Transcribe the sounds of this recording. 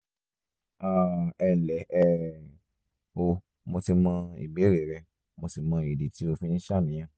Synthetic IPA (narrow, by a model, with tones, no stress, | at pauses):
a˦˨ɛ˧˨lɛ˨˦ɛ˦˨ | o˧ | mo˧ti˧mã˧ḭ˨ɡ͡be˨˦ɾe˨ɾɛ˧ | mo˧si˨mã˧i˨de˨ti˨˦o˧fĩ˦nĩ˦ʃa˦˨mĩ˨˦j̃ã˦